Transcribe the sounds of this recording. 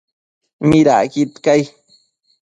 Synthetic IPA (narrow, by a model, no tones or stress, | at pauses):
miɾa̰kit̪kaj